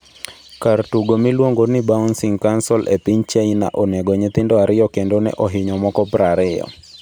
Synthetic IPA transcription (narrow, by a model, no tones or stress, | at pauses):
kartuɡomilwoŋɡonɪbaunsɪŋkansɔlʔḛpɪɲt͡ʃeina̰ʔɔnɛɡɔɲɪt̪ɪndɔaɾɪjɔkendonɛ̰ʔoɦɪɲɔmɔkɔpɾaɾɪjɔ̰